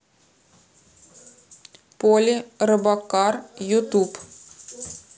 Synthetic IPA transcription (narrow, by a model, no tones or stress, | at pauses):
polʲɪɾɨbɐkarjʊt̪up